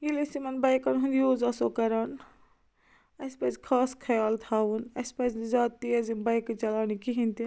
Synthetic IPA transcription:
ilisimɐnbɐjkɐnɦund̪ijoːzɐsoːkɐɾaːn | ɐspɐzkʰaːskʰɐjaːlt̪ʰaːʋunɐspɐzzaːt̪ːiɐzibɐjkt͡ʃɐlaːnikiɦĩnt̪i

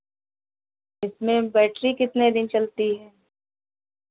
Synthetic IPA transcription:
ɪsmẽbɛːʈɾikɪt̪ned̪ɪnt͡ʃɐlt̪iɦɛ̃ː

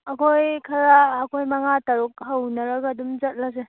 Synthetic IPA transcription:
ɐkʰojkʰɐɾaːkʰojmɐŋatɐɾuk̚hawnɐɾaɡaːdumzɐt̚las̬e

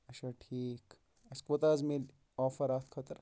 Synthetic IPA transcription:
ɐʃaʈʰiːk | ɐskot̪aːzmil | ɔːfɐɾaːt̪ʰkʰɐt̪əɾ

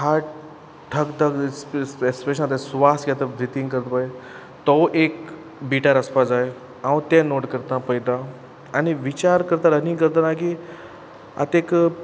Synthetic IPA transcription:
ɦa | ʈʰəkd̪əɡsespeɕəlat̪esʋasɡat̪əd̪it̪iŋkəɾt̪pae | t̪əwʔek | biʈaɾəspad͡zaj | ãwt̪ɛ̃noʈkəɾt̪ãpəjd̪ã | aniʋit͡ɕaɾkəɾt̪aɾənĩkəɾt̪anaki | a̰t̪ek

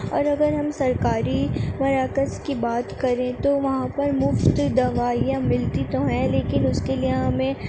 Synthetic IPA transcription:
ɔːɾɐɡəɾɦɐmsɐɾkaːɾimɐɾaːkəskibaːt̪kɐɾẽt̪oʋɐɦãpɐɾmʊft̪d̪ɐʋaːijãmɪlt̪it̪oɦɛleːkɪnʊskelieɦɐmẽ

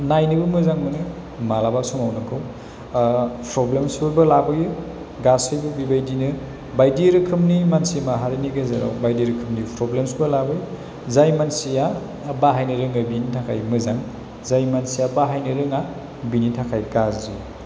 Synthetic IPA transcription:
najnɯbɯmɯzaŋmɯnɯ | malabasumawnɯkʰɯw | pʰɾɔblemsɯbɯlabɯju | ɡasɯjbubibajdinɯ | bajdiɾɯkʰɯmnimansimaɦaɾiniɡɯzaɾa̰wbajdiɾɯkʰɯmnipʰɾoblemsbɯlabɯju | zajmansija | baɦajnɯɾɯŋabinitʰakʰajmɯzaŋ | zajmansijabaɦajnɯɾɯŋa | binitʰakʰajkazi

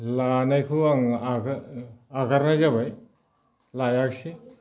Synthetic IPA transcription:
lanajkʰɯaŋaɡ | aɡaɾnazabaj | lajaksi

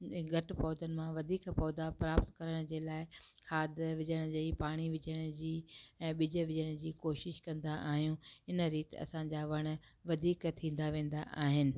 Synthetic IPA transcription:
ɡʱɐʈpɔːd̪ənɪ̆mãʋɐd̪ʱiːkpɔːd̪apɾaːpt̪kɐɾəɽ̃d͡ʑeːlaːɪkʰaːd̪ʋɪd͡ʑəɽ̃d͡ʑeːipaːɽ̃iʋɪd͡ʑəɽ̃ʊd͡ʑiːɛ̃ːɓɪd͡ʑə̆ʋɪd͡ʑəɽ̃d͡ʑiːkoːʃɪʃkɐ̃nd̪aʔaːɦijũːɪnə̆ɾiːt̪ɐ̰sãɲd͡ʑaːʋɐɽ̃̆ | ʋɐd̪ʱiːkt̪ʰĩːn̆d̪aʋẽːn̆d̪aʔaːɦɪnɪ̆

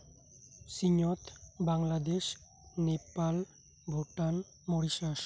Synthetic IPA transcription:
siɲot̪baŋlad̪eʃ | nepal | bʱoʈan | moɽiʃaʃ

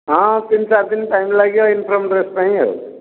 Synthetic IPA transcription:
ɦʌ̃t̪insap̚d̪inʈajmelaɡjoinpʰɾəmɖɾespãɦĩo̰w

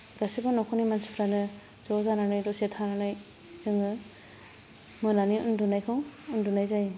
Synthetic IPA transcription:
ɾasibɯnɔkʰɔnimansu̥pʰɾanɯ | zɔzananajdɔsetʰananaj | zɯŋɯ | mɯnaniṵndunajkʰɯŋundunajzaj

